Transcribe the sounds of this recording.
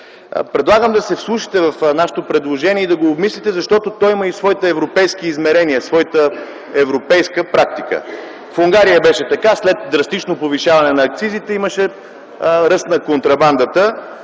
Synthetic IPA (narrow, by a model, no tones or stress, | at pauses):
pɾɛd̪lˠaɡəmd̪ɐsɛfslˠuʃi̥t̪ɛvɐfnaʃe̥t̪opɾɛd̪lˠoʒɛniɛid̪ɐɡoːbmislʲit̪ɛzɐʃt̪ɔt̪ot̪ɔjiməisvɔit̪əɛvɾopɛjsk̟iːzmɛɾɛniəsvɔjit̪ə | ɛvɾopɛjskəpɾak̚t̪ikə̰ | fuŋɡaɾijəbɛʃɛt̪ɐkaslɛt̪d̪ɾɐst̪it͡ʃnopoviʃavɐnɛnɐːkt̪sizit̪ɛiməʃɛ | ɾəst̪nɐkont̪ɾɐband̪ət̪ə